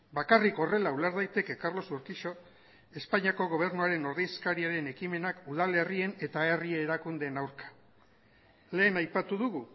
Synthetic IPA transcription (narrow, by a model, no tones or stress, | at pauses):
bakariko̞re̞laulaɾðajt̪e̞ke̞kaɾlo̞suɾkiʃo̞ | e̞spaɲiako̞ɣ̞o̞β̞e̞ɾnuaɾe̞no̞ɾðiskaɾiaɾe̞ne̞kime̞nakuð̞ale̞rie̞ne̞t̪aerieːɾakund̪e̞nawɾkḁ | le̞ːnajpat̪uðuɣu